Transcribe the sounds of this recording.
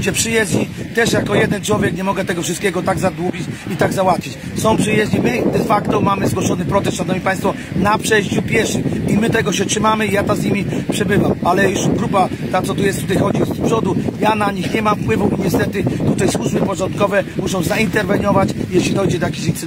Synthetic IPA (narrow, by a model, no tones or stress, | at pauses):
t͡ɕɛpʂɘjɛʑɲʲit̪ɛʂjakɔjɛd̪ɛntwɔvʲjɛkɲɛmɔɡɛt̪ɛɡɔfʂɨst̪kʲɛɡɔt̪aɡzad̪wubʲit͡ɕit̪aɡzawat̪fʲit͡ɕ | sɔ̃w̃pʂɨjɛʑɲimɘd̪ɛfakt̪ɔmamɘzɡwɔʂɔnɘpɾɔt̪ɛsʃanɔvmɲipãj̃st̪fɔ | napʂɛjɕt͡ɕupʲjɛʂɘimɘt̪ɛɡɔɕɛtʂɘmamɘijat̪azɲimʲipʂɛbɘvamalɛjuʂɡɾupat̪at̪sɔt̪ujɛst̪ut̪ajxɔd͡ʑiɔspʂɔd̪ujanaɲixɲɛmamfpwɘvuiɲɛst̪ɛt̪ɘt̪ut̪ajswuʐbɘpɔʐɔ̃nt̪̚kɔvɛmuʂɔ̃w̃zaint̪ɛɾvɛɲɔvat͡ɕjɛɕlʲid̪ɔjd͡ʑɛd̪jakʲiint̪s